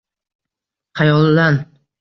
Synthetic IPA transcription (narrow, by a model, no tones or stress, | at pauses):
χajɒlˠd̪an